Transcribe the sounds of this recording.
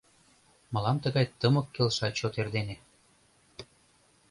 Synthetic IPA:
mɤlɑmt̪əɣɑjt̪əmɤkːelʃɑt͡ɕot̪erd̪ene

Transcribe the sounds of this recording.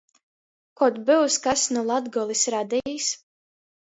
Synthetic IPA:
kɔt̪bɪwskasnɔlˠad̪ɡɔlˠisɾad̪ijis

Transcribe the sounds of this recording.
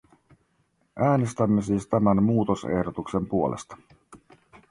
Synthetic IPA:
ʔæːne̞st̪æmːe̞siːst̪æmænmuːt̪o̞sḛhdot̪ukse̞mpuo̞lʔḛst̪ɑ̥

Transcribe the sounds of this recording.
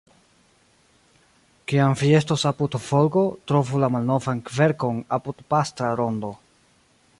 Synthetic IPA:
kiamvie̞stosapudfolɡo̞tɾo̞vulamalno̞vankve̞ɾko̞napudpastɾaɾo̞ndo̞

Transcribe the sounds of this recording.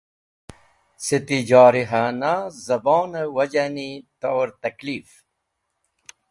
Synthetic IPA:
sit̪id͡ʑɑːɾiɦanazɐboːnəwɐd͡ʑanit̪owɾt̪ɐkliːf

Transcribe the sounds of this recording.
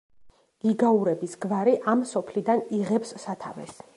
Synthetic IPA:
ɡ̥iɡauɾɛbisɡvaɾiʔamsɔpʰlid̪aniʁɛpsːat̪ʰa̰vɛ̰s

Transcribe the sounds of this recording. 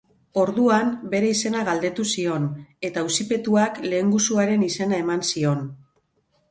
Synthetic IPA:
o̞ɾðuambe̞ɾe̞ise̞naɣald̪e̞t̪usio̞ne̞t̪ausipe̞t̪uakle̞ːŋɡusuaɾe̞nise̞nae̞mansio̞n

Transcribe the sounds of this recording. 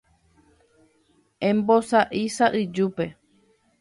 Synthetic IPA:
ẽmbosaʔisaʔɨd͡ʒupe̞

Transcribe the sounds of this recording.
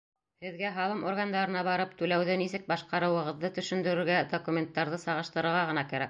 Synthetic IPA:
hɘ̆ðɡæɦɑlˠɤmʔoɾɡand̪ɑɾɤ̆nɑβɑɾɤpt̪ʉlæwðɘnisɘk̚bɑʃqɑɾɤ̆wɤ̆ʁɤ̆ðːɤt̪ɵ̆ʃɵ̆nd̪ɵ̆ɾɵ̆ɾɡæd̪okumʲe̞nt̪ːɑɾðɤsɑʁɤ̆ʃt̪ɤ̆ɾɤ̆ɾʁɑʁɤ̆nɑkæɾæk̚

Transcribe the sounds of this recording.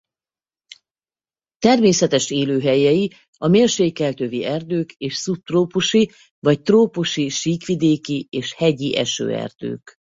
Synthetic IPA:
t̪ɛrmeːsɛt̪ɛʃeːløːɦɛjɛji | ɒmeːlʃeːkːɛlt̪øːviɛrd̪øːkeːʃsup̚t̪roːpuʃi | vɒc̚t̪roːpuʃiʃiːkʋid̪eːkieːʃhɛɟiʔɛʃø̰ːɛ̰rd̪̥ø̰ːk

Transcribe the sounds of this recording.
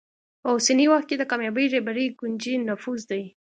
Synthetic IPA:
pəwsiniwaxt̪̚ked̪əkɑmjɑbəjɾebaɾijɡund͡ʒinʊfuzd̪aj

